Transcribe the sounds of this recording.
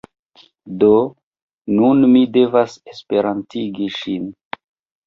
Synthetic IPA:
do | nunmide̞vasespe̞ɾantiɡiʃin

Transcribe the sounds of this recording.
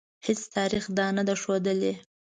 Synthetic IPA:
hɪst̪ʰɑɾixd̪ɑnad̪aʂod̪əle

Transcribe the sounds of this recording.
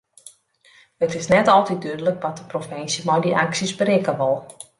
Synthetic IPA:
hətɪsnɛtɔlˠtit̚dyədələkʋɔt̚dəprofɪnsjəmɔjdiʔaksisbəɾɪkəʋɔlˠ

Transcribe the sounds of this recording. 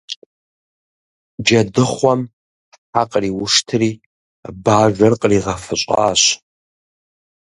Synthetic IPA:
d͡ʒɐdɨχʷɔm | ħaqʼəriwʊʂtʰɨriː | baːʒᶣʷɐrqʼəriːʁɐfɨɕʷʼa̰ːɕ

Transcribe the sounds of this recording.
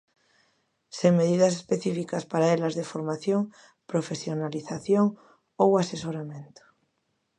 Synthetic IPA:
seŋmeðiðɐs̬espeθifikaspaɾaelazðefoɾmaθjoŋ | pɾofesjonaliθaθjoŋ | owasesoɾamẽnt̪o̥

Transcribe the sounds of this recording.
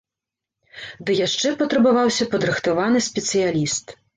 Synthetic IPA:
d̪ɨjaʂt͡ʂɛpɐt̪ɾɐbavawsʲɐpɐd̪ɾɨxt̪avanɨsʲpʲɛt̪sɨjalʲist̪

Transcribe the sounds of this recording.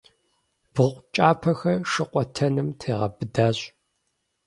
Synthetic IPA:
b̥ʁʷt͡ʃʼaːpʰɐxɐʂɨqʷʼɔtʰɐnɨmtʰeːʁɐ̰bɨdaːɕʼ

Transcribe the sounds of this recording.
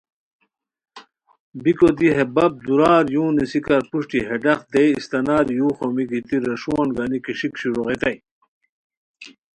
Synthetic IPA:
bikod̪iɦebɐb̚d̪uɾaːɾjũːnisikɐɾpuʂʈiɦeɖɐχd̪eist̪ɐnaːɾjuːχomiɡit̪iɾɐʂuanɡanikiʂikɕiɾuʁet̪ɐj

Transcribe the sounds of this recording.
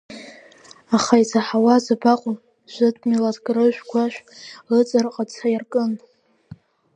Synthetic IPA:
aχajt͡sʰaħawazabaqʷʼʊm | ʒʷɨtʼmiladɡʼrɨʒʷᶣkʷʰaʃᶣlɨt͡sʼɨrqʼat͡sʰajarkʼɨn

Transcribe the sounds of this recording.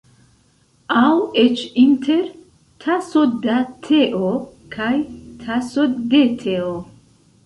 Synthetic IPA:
awet͡ʃintʰeɾ | tʰasod̪atʰeʔokʰajtʰasod̪et̪ʰeo

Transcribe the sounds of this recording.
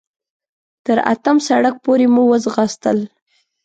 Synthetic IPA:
t̪əɾa̰t̪əmsaɽak̚poɾemuwəzɣəst̪əl

